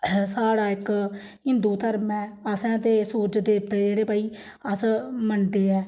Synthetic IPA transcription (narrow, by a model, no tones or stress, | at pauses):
saːɽaːɪk | ɦɪnd̪uːt̪əɾmɛ̃ːəsɛ̃ːt̪eːsuːd͡ʒd̪eːp̚d̪eːd͡ʒeːɽeːpaːiː | əsmənd̪eːɛː